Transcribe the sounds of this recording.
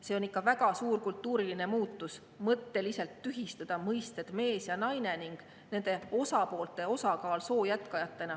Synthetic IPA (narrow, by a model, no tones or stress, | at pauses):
se̞o̞nikːˑɑvæɡ̥ɑsuːrkult̪ːˑuːɾiline̞muːt̪ːus | mɤt̪ːe̞liselt̪ːyɦist̪ɑd̪̥ɑmɤjst̪e̞d̪̥me̞ːsjɑnɑjne̞niŋɡ̥ | ne̞nd̪̥e̞o̞sɑpo̞ːlt̪ːˑe̞o̞sɑkɑːlso̞ːjæt̪ˑkɑjɑt̪ːˑe̞nɑ